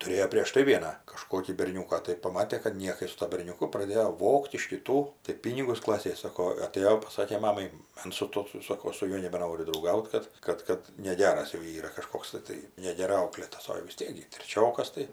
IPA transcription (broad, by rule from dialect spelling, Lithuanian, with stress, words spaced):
tʊˈrʲeːjoː pʲrʲiɛʃ ˈtɐɪ ˈʋʲiɛnɑː kɐˈʃkoːkʲiː bʲɛrʲˈnʲuːkɑː tɐɪ pɐˈmɑːtʲeː kɐt ˈnʲiɛkɐɪ sʊ ˈtuɔ bʲɛrʲnʲʊˈkʊ prɐˈdʲeːjoː ˈʋoːkt ɪʃ kʲɪˈtuː tɐɪ ˈpʲiːnʲɪɡʊs ˈklˠɑːsʲeːj ˈsɑːkoː ɐˈtʲeːjoː pɐˈsɑːkʲeː ˈmɑːmɐɪ ˈɐns sʊ ˈtuɔ ˈsoːkoː ˈɐʃ sʊ ˈjuɔ nʲɛbʲɛˈnoːrʲʊ drɐʊˈɡɐʊt ˈkɐt ˈkɐt ˈkɐt nʲɛˈɡʲæːrɐs jɛʊ ˈiːrɐ kɐˈʃkoːks tɜ ˈtɐɪ nʲɛɡʲɛˈrɐɪ ˈɐʊklʲeːtɐs oː jɛʊ ʋʲɪs ˈtʲiɛk ɡʲɪ tʲrʲɛˈt͡ʃʲoːkɐs tɐɪ